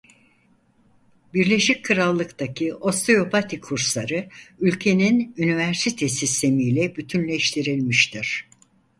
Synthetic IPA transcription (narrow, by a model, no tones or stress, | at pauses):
biɾlʲe̞ʃickʰɯɾalˠːɯkt̪ʰacʰiʔo̞st̪ʰejo̞pʰat̪ʰikʰuɾslˠaɾɯylʲcʰe̞ninynivæɾsit̪ʰesist̪ʰe̞mijlʲɛbyt̪ʰynlʲeʃt̪ʰiɾilʲmiʃt̪ʰiɾ̥